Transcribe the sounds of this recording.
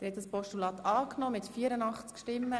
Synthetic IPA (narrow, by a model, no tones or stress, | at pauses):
dɾhɛt̪əspɔʃtulɑːt̪ɑːknɔmɪtfiːəɾənɑχt͡skʃtɪmːə